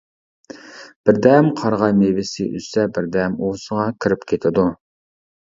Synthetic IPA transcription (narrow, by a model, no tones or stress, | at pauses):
b̥ɪɾd̪ɛmqʰɑɾʁɑjmevɪsɪ̰ʔy̰sɛbɪɾd̪ɛmosəʁɑkʲʰiɾɪpkʲʰet̪ʰɪd̪u